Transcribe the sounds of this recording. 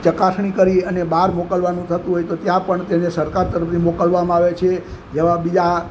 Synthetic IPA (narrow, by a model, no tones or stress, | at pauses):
t͡ʃəkasɳ̃ikəɾiənebaɾmokəlʋanũt̪ʰət̪ũɦojt̪ot̪jãpəɳt̪enesəɾkaɾt̪əɾəpnimokəlʋamãaʋet͡ʃʰe | d͡ʒeʋãbid͡ʒa